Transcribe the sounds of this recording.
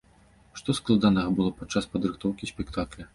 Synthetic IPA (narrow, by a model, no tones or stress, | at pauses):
ʂt̪ɔsklˠad̪anɐɣɐbɨlˠɔpat͡ʂːaspɐd̪ɾɨxt̪ɔwkʲisʲpʲɛkt̪aklʲɐ